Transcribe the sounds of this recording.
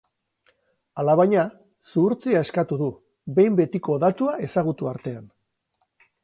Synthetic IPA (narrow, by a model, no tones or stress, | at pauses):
alaβajɲa | suɾt͡siae̞skat̪uðu | βe̞jmbe̞t̪iko̞ðat̪uae̞saɣ̞ut̪uaɾt̪e̞an